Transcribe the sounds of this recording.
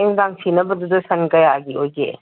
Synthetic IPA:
eŋdaŋsinɐbɐd̪ud̪ɐsɐnkɐjaɡiojɡḛ

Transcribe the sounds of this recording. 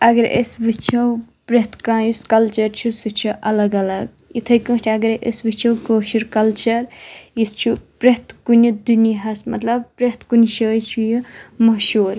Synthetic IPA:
ɐɡɐɾʔḛsbɨt͡ʃʰɐw | pɾeht̪ʰkãːjuskɐlt͡ʃɐɾt͡ʃʰusɨt͡ʃʰuʔɐlɐɡɐlɐɡ̚ | it̪ʰɐjkə̃ːt͡ʃʲʰiɐɡɐɾʔḛsbɨt͡ʃʰɐwkəːʃuɾkɐlt͡ʃɐɾjist͡ʃʰupɾeɦt̪ʰkunid̪uniɦɐsmɐ̰t̪lɐb̚pɾeht̪kunʃəːjt͡ʃʰujimɐʃuːɾ

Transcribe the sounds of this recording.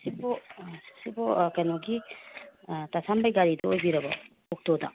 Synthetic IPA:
sibosibɔkɐjnoɡi | tasʰambajɡaɾidɐojbiɾɐbɐ̰ | ok̚todɐ̰

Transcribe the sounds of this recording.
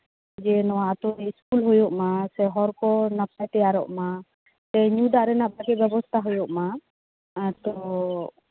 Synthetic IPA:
d͡ʒɛnɔwaat̪ɔniiskulɦojɔʔmasɛɦɔɾkɔnəpajt̪ɛjaɾɔʔma | sɛɲud̪aʔɾɛnaʔbaɡɛbɛbɔst̪ʰaɦujɔʔma | t̪ɔ

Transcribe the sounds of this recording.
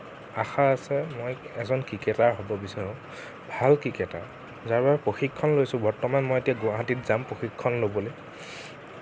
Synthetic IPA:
axaːsɛmojɛzɔnkikɛtaɹɦobɔbisaɹʊ̃ | bʱalkɹikɛta̰ɹ | zaɹbabɛpɹoxikʰːɔnlojsʊ̃bɔɹtɔmanmojetijaɡʊaɦatitzampɹoxikʰːɔnlobɔloj

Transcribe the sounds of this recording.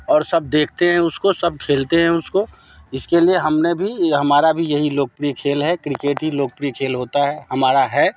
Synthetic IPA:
ɔːɾsɐb̚d̪eːk̚ʰt̪eɦɛ̃ʊskosɐb̚kʰeːlt̪eɦɛ̃ʊsko | ɪskelieɦɐmnebʱiɦɐmaːɾabʱijɐɦiloːk̚pɾikʰeːlɦɛkɾɪkeːʈɦiloːk̚pɾikʰeːlɦoːt̪aɦɛːɦɐmaːɾaɦɛː

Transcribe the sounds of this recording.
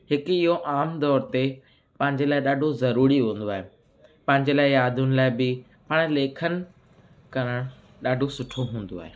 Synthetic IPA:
ɦɪkʊɪɦoʔaːmd̪ɔːɾt̪e | pɐ̃ɦɪ̃ɲd͡ʑelaːɪɗaːɖʱozɐɾuːɾiɦũːn̆d̪oaːɦe | pɐ̃ɦɪ̃ɲd͡ʑelaːɪjaːd̪ʱʊnɪ̆laːɪbɪ | pɐɽ̃leːkʰənɪ̆ | kɐɾəɽ̃ | ɗaːɖʱosʊʈʰoɦũːn̆d̪oa̰ːɦeː

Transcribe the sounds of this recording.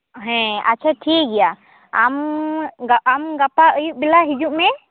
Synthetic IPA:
ɦɛ̃a̰tːt͡ʃʰaʈʰik̚ɡɛja | amɡaamɡapaəjuʔ̚bilaɦid͡ʒuʔmɛ

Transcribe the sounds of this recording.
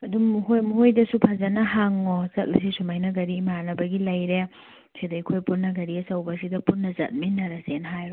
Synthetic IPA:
ɐdumɦojmhojdɐsupʰazɐnɐɦaŋozɐt̚lɐs̬isumajnɐɡɐɾiːmanɐbɐɡilɐjɾe | sidɐjkʰojpunːɐɡɐɾiɐsɐwbɐsidɐpunːɐzɐ̰t̚minːɐɾɐsenɦajɾo

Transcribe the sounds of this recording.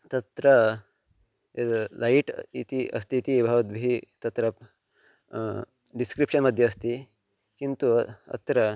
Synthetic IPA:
t̪ɐt̪ɾɐ | laiʈit̪iɐ̰st̪iːt̪ibʱɐʋɐt̪bʱiːt̪ɐt̪ɾɐp | ɖiskɾipʂənməd̪ʱjeːst̪i | kint̪uɐ̰t̪ɾɐ

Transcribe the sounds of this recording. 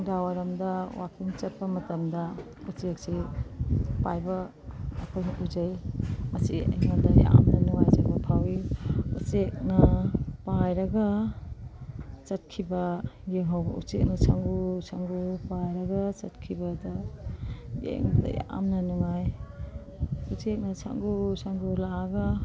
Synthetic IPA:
dawaɾɐmdɐwakʰiŋt͡ʃɐt̚pɐmɐtɐmdɐ | ut͡ʃek̚si | pajbɐː | kʰojnuzɐjmɐsḭɐ̰jmadɐja̰ʔa̰mnɐnuŋajzabɐpʰawiṵt͡ʃek̚nɐpajɾɐɡɐ | t͡ʃɐt̚kʰibɐɡeŋɦawbɐ̰ṵt͡ʃek̚nɐsʰaŋɡusʰaŋɡupajɾɐɡɐt͡ʃɐt̚kʰibɐdɐ | jḛŋbda̰ja̰ʔa̰mnɐnuŋaj | ut͡ʃek̚nɐsʰa̰ŋɡusʰaŋɡulaaɡa

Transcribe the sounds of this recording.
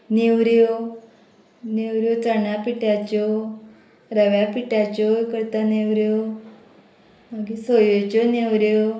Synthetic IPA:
neʋɾjo | newɾjot͡səɳjapiʈjat͡ɕo | ɾəʋjapiʈjat͡ɕokəɾt̪aneʋɾjo | maɡisojot͡ɕoneʋɾjo

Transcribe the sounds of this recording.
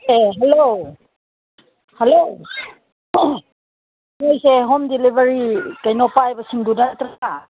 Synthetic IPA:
eɦɛlo | helo | ojseɦɔmdilibaɹikajnɔpajbasiŋdunataa

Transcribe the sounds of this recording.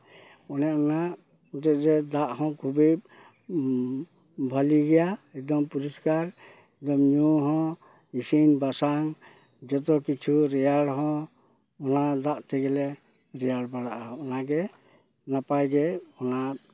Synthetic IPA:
ɔnɛɔŋaʔ | ut̪ɛɾɛd̪aʔhɔ̃kʰubib | bʱɔliɡɛjaɛk̚d̪ɔmpuɾiskaɾ | ɛk̚d̪ɔmɲuɦɔ̃ | isinbasaŋ | d͡ʒɔt̪̬ɔkit͡ʃʰuɾɛjaɽɦɔ̃ | ɔnad̪aʔt̪ʰɛɡɛlɛ | ɾɛjaɽbaɽaʔaɔnaɡɛ | napajɡɛɔna

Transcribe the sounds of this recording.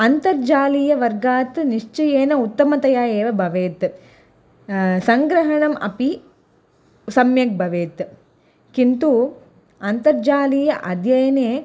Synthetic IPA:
ɐnt̪ɐɾd͡ʒaːliːjɐʋɐɾɡaːt̪niʂt͡ʃɐjeːnɐut̪ːɐmɐt̪ɐjaːjeːʋɐbʱɐʋeːt̪ | sɐŋɡɾɐɦɐɳɐmɐ̰pi | sɐmjɐk̚bʱɐʋeːt̪ | kint̪u | ɐnt̪ɐɾd͡ʒaːliːjɐʔɐd̪ʱjɐjɐneː

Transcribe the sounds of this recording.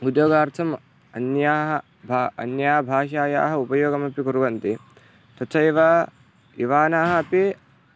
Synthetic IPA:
ud̪joːɡaːɾt̪ʰɐm | ɐnjaːɦɐ | bʱaɐ̰njaːɐbʱaːʃaːja̰ːɦɐupɐjoːɡɐmɐpikuɾuʋɐnt̪i | t̪ɐtt͡ʃʰɐiʋɐ | iʋaːnaːɦɐɐpi

